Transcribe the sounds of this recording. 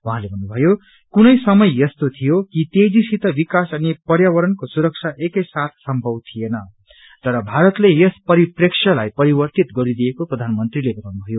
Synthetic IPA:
wuɦãlebʱʌnːubʱʌjo | kunʌjsʌmʌjːʌst̪ot̪ʰijokit̪ed͡zisit̪ʌbikasʌnipʌɾjawʌɾʌnkosuɾʌk̚t͡ʃʰaʔekʌjsat̪ʰsʌmbʱʌwt̪ʰijenʌ | t̪ʌɾʌbʱaɾʌt̪lejʌspʌɾipreksʰʌlajpʌɾibʌrt̪it̪ɡʌɾid̪ijekoprʌd̪ʱanmʌnt̪rilebʱʌt̪awnubʱʌjo

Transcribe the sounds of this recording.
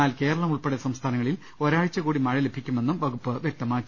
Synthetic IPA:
aːlke̞ːɾɐɭɐmuɭpeɽesɐmst̪ʰaːnɐŋːɐɭil | o̞ɾaːɻit͡ɕːɐkuːɽimɐɻɐle̞bʱikʲːume̞nːumʋɐɡupːɨʋjek̚t̪ɐmaːkː

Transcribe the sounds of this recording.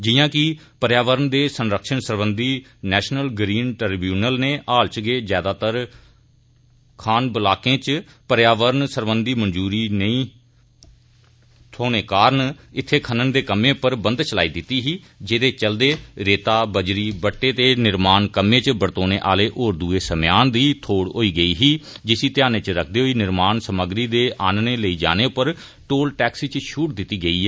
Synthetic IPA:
d͡ʒɪjãːkɪ | pəɾjaːʋəɾənd̪eːsənɾəkʃəɳsəɾbənd̪iː | nɛːʃnəlɡɾiːnʈəɾbjuːnəlneːʔaːlt͡ʃɡeːzjaːd̪aːt̪əɾ | kʰaːnbəlaːkẽːt͡ʃ | pəɾjaːʋəɾnsəɾbənd̪iːmənd͡ʒuːɾiːnəĩː | t̪ʰoːneːkaːɾnɪt̪ʰːeːkʰənənd̪eːkəmːẽːpəɾbə̃nd̪t͡ʃəlaːiːd̪ɪt̪ːiːɦiː | d͡ʒeːd̪eːt͡ʃəld̪eːɾeːt̪aːbəd͡ʒɾiːbəʈːeːt̪eːnɪɾmaːnkəmẽːt͡ʃbəɽt̪oːneːʔa̰ːleːʔoːɾd̪uːeːsəmjaːnd̪iːt̪ʰoːɽɦoːiːɡəiːɦiːd͡ʒɪsiːt̪ɪjaːneːt͡ʃɾək̚ʰd̪eːɦoːiːnɪɾmaːnsəməɡɾiːd̪eːʔaːnneːləiːd͡ʒa̰ːneːʊpəɾ | ʈoːlʈɛːksit͡ʃʃuːʈd̪ɪt̪ːiːɡəiːɛː

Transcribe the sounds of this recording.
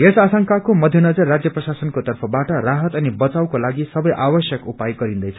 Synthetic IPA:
ɦesasʌŋkakomʌd̪ʱjʌnʌd͡zʌrːad͡zjʌprʌsasʌnkot̪ʌrpʰʌbaʈʌraɦʌt̪ʌnibʌt͡sawkolaɡisʌbʌjʔabʌsjʌkupajɡʌɾind̪ʌjt͡sʰʌ

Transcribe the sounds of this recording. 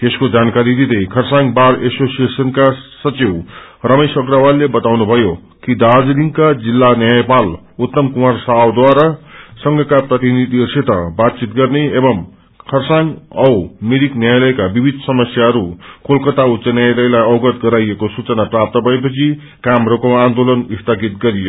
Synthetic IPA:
t̪eskod͡zankaɾid̪id̪ʌjkʰʌrsãŋɡbaɾesosijesʌnkasʌt͡siwrʌmesʌkrawallebʌt̪awnubʱʌjo | kid̪ad͡zliŋɡkad͡zilːanjajpal | ut̪ːʌmkumarsawd̪waɾasʌŋɡʱʌkaprʌt̪inid̪ʱiʌrset̪ʌbat̪̚t͡sit̪̚ɡʌrneebʌm | kʰʌrsaŋɡʌwmiɾiknjajlʌjkabibʱid̪ʱsʌmʌsjaɦʌɾukʰolkʌt̪aut̪ːsʌnjajlʌjlajʌwɡʌt̪ɡʌɾajekosut͡sʌnaprap̚t̪ʌbʱʌep̬ʌt͡sʰi | kamɾʌkoand̪olʌnist̪ʰʌkit̪̚ɡʌɾijo

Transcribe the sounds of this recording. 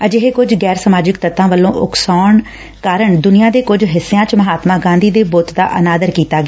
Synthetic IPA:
əd͡ʒɪɦeːkʊd͡ʒɡɛːɾsəmaːd͡ʒɪkt̪ət̪ãːʋəlːõːʔʊksaːɳ | kaːɾəɳd̪ʊnɪjãːd̪eːkʊd͡ʒɦɪsːejãːt͡ʃməɦaːt̪maːɡãːnd̪iːd̪eːboːt̪d̪a̰ːʔənaːd̪əɾkiːt̪aːɡeː

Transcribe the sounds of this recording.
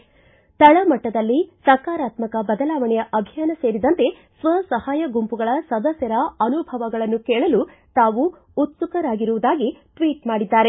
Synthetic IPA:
t̪ɐɭɐmɐʈːɐd̪ɐlːisɐkaːɾaːt̪mɐkɐbɐd̪ɐlaːʋɐɳɛjɐʔɐbʱijaːnɐse̞ːɾid̪ɐnt̪e̞ | sʋɐsɐhaːjɐɡumpuɡɐɭɐsɐd̪ɐsjɐɾɐɐnubʱɐʋɐɡɐɭɐnːukɛːɭɐlu | t̪aːʋu | ut̪sukɐɾaːɡiɾuʋud̪aːɡiʈʋiːʈmaːɽid̪ːaːɾe̞

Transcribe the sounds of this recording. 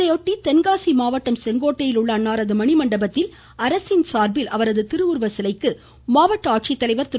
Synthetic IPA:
ɐjoʈːit̪ɛnɡaːsimaːʋɐʈːɐmsɛŋɡoːʈːɐjɪlʊɭːaːnːaːɾɐðɯmɐɳɪmɐɳɖɐbɐt̪ːɪl | ɐɾɐsɪnsaːɾbɪlʔɐʋɐɾɐðɯt̪ɪɾɯuːɾʋɐsɪlɐɪkːɯ | maːʋɐʈːaːʈ̚t͡ʃit̪ːɐlɐɪʋɐɾt̪ɪ

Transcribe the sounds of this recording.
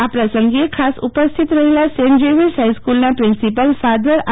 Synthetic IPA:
apɾəsəŋɡekʰasupəst̪ʰit̪ɾəɦelasend͡ʒeʋisɦaiskulnapɾɪnsipəlfad̪əɾa

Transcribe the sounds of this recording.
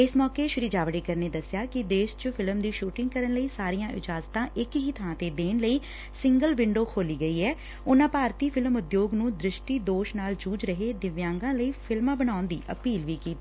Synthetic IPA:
ɪsmɔːkeːʃʊɾid͡ʒaːʋəɽiːkəɾneːd̪əsjaːkɪd̪eːʃt͡ʃəpʰɪləmd̪iːʃuːʈɪ̃ŋɡkəɾənləiːsaːɾijãːʔɪ̰d͡ʒaːzt̪ãːʔɪkɦiːt̪ʰəãːt̪eːd̪eːnləiː | sɪŋɡəlʋɪɳɖoːkʰoːliːɡəiːɛː | ʊnãːpaːɾt̪iːpʰɪləmʊd̪joːɡnũːd̪ɾɪʃʈiːd̪oːʃnaːld͡ʒuːd͡ʒɾəɦeːd̪ɪʋjãːŋɡãːləiːpʰɪlmãːbənaːʊnd̪iːʔə̰piːlʋiːkiːt̪iː

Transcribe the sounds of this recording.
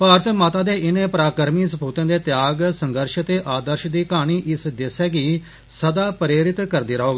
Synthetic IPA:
paːɾət̪maːt̪ãːd̪eːʔɪnẽːpɾaːkəɾmiːsəpuːt̪ãːd̪eːt̪jaːɡsəŋɡəɾʃt̪eːʔaːd̪əɾʃd̪iːkaːɽ̃iːʔɪsd̪ɪsɛːkiː | səd̪aːpɾeːɾɪt̪kəɾd̪iːɾəɦoːɡ

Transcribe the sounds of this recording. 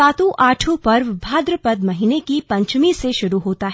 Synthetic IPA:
aːt̪ũʔʔaːʈʰũpɐɾʋbʱaːd̪ɾəpɐd̪mɐɦinekipɐ̃ɲt͡ʃmiseʃʊɾuɦoːt̪aɦ

